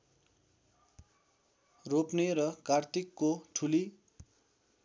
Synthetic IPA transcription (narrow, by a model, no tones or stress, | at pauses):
ropneɾʌkart̪ikːoʈʰuli